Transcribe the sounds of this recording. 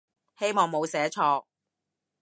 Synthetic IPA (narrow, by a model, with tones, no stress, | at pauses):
he˥jmɔː˨˩ŋmo˨˧wsɛː˨˥t͡ʃʰɔː˧k̚